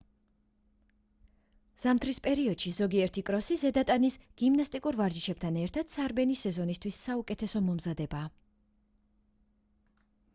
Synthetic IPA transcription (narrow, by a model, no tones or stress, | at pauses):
z̥amt̪ʰɾispʼɛɾiɔd̪̥ʃizɔɡiɛɾt̪ʰikʼɾɔsizɛd̪at̪ʼanisɡ̥imnast̪ʼikʼuɾvaɾd͡ʒiʃʰɛb̥̚t̪ʰanɛɾt̪ʰad̪̥saɾbɛnisɛzɔnist̪ʰwisːaukʼɛt̪ʰɛsɔmɔmzad̪ɛbaː